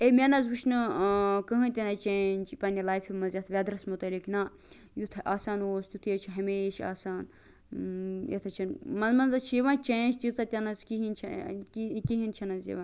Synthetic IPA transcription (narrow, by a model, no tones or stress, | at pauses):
emʲenɐzuʃnɨkɨɦɨnʲt̪ʲenɐt͡ʃeːnʲd͡ʒpɐnʲilaːjfʰimɐzʲɐt̪ʰʋʲad̪ɾɐsmut̪ɐlikna | jut̪ʰʔaːsaːnoːst̪jut̪ʰjet͡ʃʰiɦɐmeːʃa̰ːsaːn | jḛt̪ʰɐt͡ʃʰɐnmɐnzmɐnzɐt͡ʃʰiʋãːnt͡ʃeːnd͡ʒt̪it͡sɐt̪ʲɐnɐzkiɦint͡ʃʰɐ̰kikiɦint͡ʃʰɐnɐnzḛʋãːn